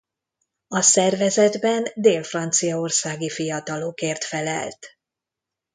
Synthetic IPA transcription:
ɒsɛrvɛzɛd̪bɛnd̪eːlfrɒnt̪sijɒorsaːɡifijɒt̪ɒlokeːrt̪fɛlɛ̰lt̪

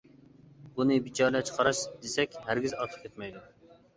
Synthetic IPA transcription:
bunɨbit͡ʃʰɑːɾlɛt͡ʃqʰɑɾɑʃd̪̥esɛkʲɦæɾɡʲizɑt̪ʰə̥χkʲʰet̪mɛjd̪u

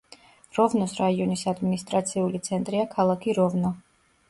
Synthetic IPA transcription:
ɾɔvnɔsɾaiɔnisad̪minist̪ʼɾat̪sʰiulit̪sʰɛnt̪ʼɾiakʰalˠakʰiɾɔvnɔ

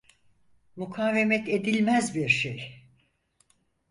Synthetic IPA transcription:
mukʰaːve̞mɛt̪ʰe̞d̪ilʲmæzbiɾʃej

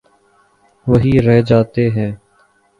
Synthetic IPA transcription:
ʋəɦiːɾɛɦd͡ʒaːt̪eɦɛ̃ː

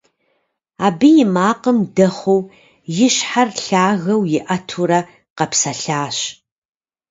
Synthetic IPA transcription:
aːbɨjɪmaːqəmdɐχʷow | jɪɕħarɬaːɣɐwjɪʔɐtʰuɾɐ | qɐpsɐɬaːɕ

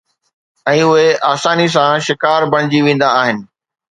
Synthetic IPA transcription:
ɛ̃ːʊɦeʔaːsaːnis̬ãʃɪkaːɾbɐɽ̃ɪd͡ʑiʋẽːn̆d̪aːɦɪnɪ̆

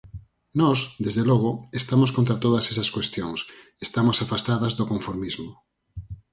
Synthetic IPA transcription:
nɔsd̪ezðelɔɣoest̪amoskõnt̪ɾat̪oð̞ɐsesɐaskwest̪joŋsest̪amosafast̪aðɐzðokoɱfoɾmizmo

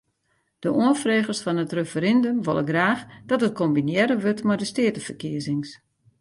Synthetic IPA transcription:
d̥əʔoənfreːɣərsfɔnətrefəɾɛndømʋo̰lˠəɡraːxd̥ɔtət̚kʰombinjɛɾəʋøtmɔjdəstɪətəfərkiəzɪŋs

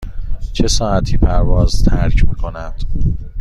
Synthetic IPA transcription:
t͡ʃʰe̞sɒːæt̪ʰiːpʰæɾvɒːzt̪ʰæɾcʰmiːkʰo̞næd̪̥

